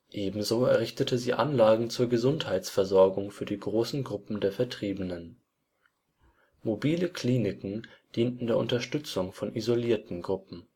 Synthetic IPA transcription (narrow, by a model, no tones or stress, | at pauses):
ʔeːbm̩zoːɛɐʁɪçtətʰəziːʔanlaːɡŋ̩t͡suːɐɡəzʊnthaɪt͡sfɛɐzɔɐɡʊŋfyːɐdiːɡʁoːsn̩ɡʁʊpm̩deːɐfɛɐtʁ̥iːbənən | mobiːləkʰl̥iːnɪkŋ̩d̥iːntn̩deːɐʔʊntɐʃtʏt͡sʊŋfɔnʔizoliːɐtn̩ɡʁʊpm̩